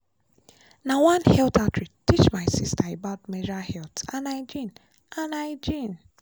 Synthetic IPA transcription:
nawãnhɛltatɹitit͡ʃmajsistaebaʊt̚med͡ʒahɛltãnaɪd͡ʒĩn | ãnaɪd͡ʒĩn

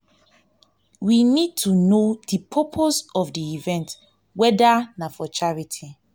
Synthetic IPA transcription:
winid̚tʰunodipʰɔpʰosɔvdiivɛ̃nt | wɛdanafɔt͡ʃaɹitʰi

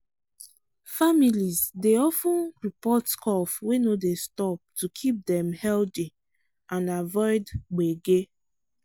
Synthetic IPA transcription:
familizdeɔfũnɹipɔtkʰɔfwenodestɔp̚tukʰip̚dɛ̃mhɛldi | ʔãnavɔɪdɡ͡beɡe

